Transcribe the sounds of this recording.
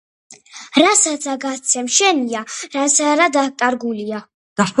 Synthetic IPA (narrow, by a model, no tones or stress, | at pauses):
ɾasat̪sʰaɡat̪sʰɛmʃɛniaɾasaɾad̪akʼaɾɡulia | d̪̥as